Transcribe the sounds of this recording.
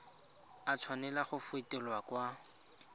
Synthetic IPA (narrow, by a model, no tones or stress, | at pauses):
at͡sʰwanɛlaχʊfʊetʼɛlwakwa